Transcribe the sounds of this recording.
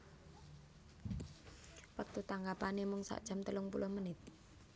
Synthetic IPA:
pək̚t̪ut̪aŋɡapanemʊŋsa̰ʔd̥ʒ̥a̤mt̪əlʊŋpṵlʊhmənɪt̪̚

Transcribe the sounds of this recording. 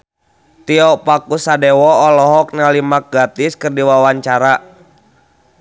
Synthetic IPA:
t̪iɔpakusadɛwɔːlɔɦɔk̚nalimak̚ɡat̪iskɨrdiwawaɲt͡ʃaɾa

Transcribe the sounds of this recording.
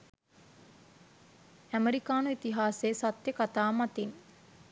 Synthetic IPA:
æmeɾikaːnuit̪iɦaːseːsat̪jəkat̪aːmat̪in

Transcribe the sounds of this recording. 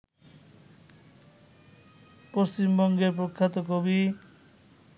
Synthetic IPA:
post͡ɕimbɔŋɡeɾp̬ɾokʰːat̪okobi

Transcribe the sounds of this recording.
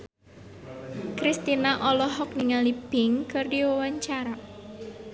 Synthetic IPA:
kɾist̪inaʔɔlɔɦɔk̚niŋalib̥ɪŋkɨrɖiwawaɲt͡ʃaɾa

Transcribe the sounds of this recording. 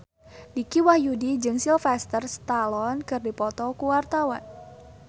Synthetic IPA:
dikiwahjudid͡ʒɨŋsilfɛst̪ərst̪alɔnkɨrdipɔt̪ɔkuwart̪awa̰n

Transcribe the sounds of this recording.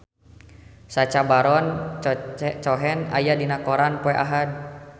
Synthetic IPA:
sat͡ʃabaɾɔn | t͡ʃɔɦɛna̰jadinakɔɾanpɔɛʔaɦad̚

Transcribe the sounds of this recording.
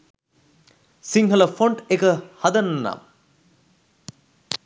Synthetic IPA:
siŋɦələfoɳʈekəhɐd̪ɐnnːa̰m

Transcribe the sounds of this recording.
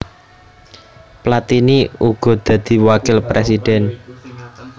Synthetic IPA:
plat̪iniuɡ̥ɔ̤d̪̥ä̤d̪̥i̤wakɪlpɾesid̪̥ɛ̤n

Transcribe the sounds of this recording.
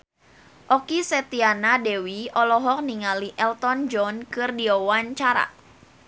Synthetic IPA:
ʔɔkisɛt̪ianadɛwiɔlɔɦɔk̚niŋaliʔɛlt̪ɔnd͡ʒɔnkɨrdiɔwaɲt͡ʃaɾa̰

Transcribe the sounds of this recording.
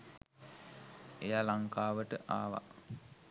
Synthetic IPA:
ejaːlaŋkaːʋəʈəʔaːʋa̰

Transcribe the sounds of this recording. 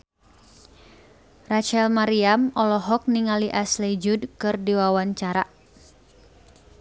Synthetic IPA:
rat͡ʃɛlmaɾiamɔlɔɦɔk̚niŋaliʔaslɛd͡ʒudkɨrdiwawaɲt͡ʃaɾa

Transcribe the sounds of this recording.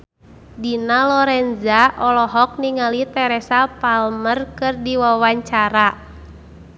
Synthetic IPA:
dinalɔɾɛnzaʔɔlɔɦɔk̚niŋalit̪ɛɾɛsapalmərkɨrdiwawaɲt͡ʃaɾa

